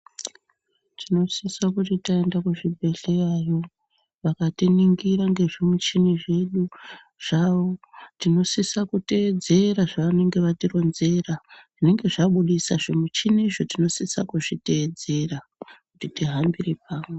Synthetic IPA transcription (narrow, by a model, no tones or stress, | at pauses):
tino̞sisakutitaendakuʐibʱe̞ɬeajo̞ | ʋakatiniŋɡiɾaŋɡe̞ʐimwit͡ʃiniʐe̞ɗu | ʐ̥aʋo̞tino̞sisakute̞ːd͡ze̞ɾaʐaʋane̞ŋɡe̞ʋatiro̞nze̞raʐine̞ŋɡe̞ʐaɓuɗisaʐimit͡ʃiniʐo̞tino̞sisakuʐite̞ːd͡ze̞ra | kutitiɦambirepaːmwe